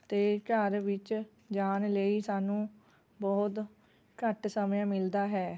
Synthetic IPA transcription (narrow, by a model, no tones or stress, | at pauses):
t̪eːkəɾʋɪt͡ʃ | d͡ʒaːnləiːsaːnũː | bɔːt̪ | kəʈsəmjãːmɪld̪aːɦɛː